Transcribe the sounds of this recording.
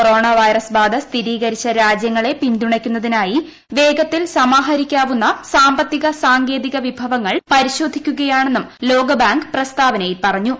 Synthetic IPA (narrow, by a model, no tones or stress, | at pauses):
oro̞ːɳaʋɐjrɐsbaːd̪ʱɐst̪ʰiɾiːɣɐɾit͡ɕːɐɾaːd͡ʑjɐŋːɐɭe̞pind̪uɳɐkʲːunːɐðinaːji | ʋe̞ːɡɐt̪ːilsɐmaːɦɐɾikʲːaːʋunːɐsaːmbɐt̪ːiɣɐsaːŋɡe̞ːðiɣɐʋibʱɐʋɐŋːɐɭpɐɾiɕo̞ːd̪ʱikʲːuɣɐjaːɳe̞nːumlo̞ːɡɐbaːŋɡprɐst̪aːʋɐnejipɐrɐɲːu